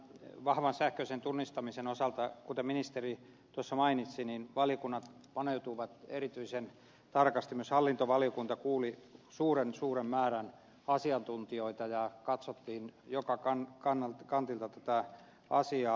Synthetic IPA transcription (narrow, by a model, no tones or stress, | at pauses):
ʋɑhʋɑnsæhkøisent̪unːist̪ɑmisenosɑlt̪ɑkut̪eminist̪eri | t̪uosːɑmɑinit̪sininʋɑlijokunːɑt̪ | pɑneut̪uʋɑt̪ḛrit̪yisen | t̪ɑrkɑst̪imyøshɑlːint̪oʋɑlijokunt̪ɑkuːlisuːrensuːremmæːræn | ɑsiɑnt̪unt̪ioit̪ɑjɑkɑt̪sot̪ːiːnjokɑkɑnkɑnːɑlkɑnt̪ilt̪ɑt̪æt̪æ | ɑsiɑː